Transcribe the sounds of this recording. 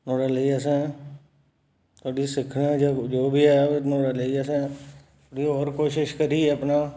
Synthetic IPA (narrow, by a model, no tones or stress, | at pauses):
t̪oːɽaleiəsɛ̃ | t̪ʰoːɽisɪkʰnad͡ʒd͡ʒoːbʱiɦɛnoːɽaleiəsɛ̃t̪ʰoːɽiɔːɾkoːʃɪʃkəɾiɛɐpna